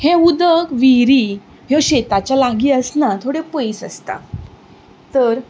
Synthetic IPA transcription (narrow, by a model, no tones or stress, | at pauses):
heud̪əkʋiɾi | ɦoɕet̪at͡ɕjalaɡiːəsnat̪ʰoɽepəjisə̰st̪a̰ | t̪əɾ